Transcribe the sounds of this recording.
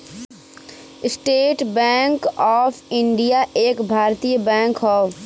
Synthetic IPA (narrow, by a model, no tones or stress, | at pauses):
ɪsʈeːʈbɛ̃ːŋkɔːfʰɪ̃ɳɖijaʔeːkbʱaːɾt̪ijəbɛ̃ːŋkɦɔː